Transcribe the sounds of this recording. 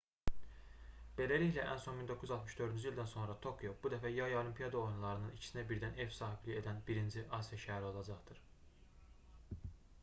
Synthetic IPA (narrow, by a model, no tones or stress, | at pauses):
b̥e̞læliçlæʔæ̰nso̞nmind̪okʰuyyzɑlˠt̪mɯʃd̪ø̞ɾd̪ynd͡ʒyild̪ænso̞nɾɑt̪ʰo̞kʰjo̞bud̪æfæjɑjo̞lʲˠimpʰijɑd̪ɑo̞junlˠɑɾɯnɯnicʰi̥sinæbiɾd̪ænevsɑːɦiblie̞d̪ænbiɾind͡ʒiʔɑsijɑʃæɦæɾio̞lˠɑd͡ʒɑχd̪̥ɯɾ̥